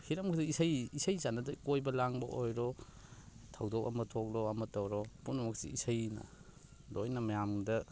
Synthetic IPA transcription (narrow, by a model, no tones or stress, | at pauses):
hiɾamkʰɯdiisajisajzanɐdɐkojbɐlaŋbɐʔojɾɔ | tʰawdɔwka̰mɐtʰɔk̚lɔamɐtawɾɔpunamɐk̚sḭisajna̰ | lojnɐmɐjamdɐ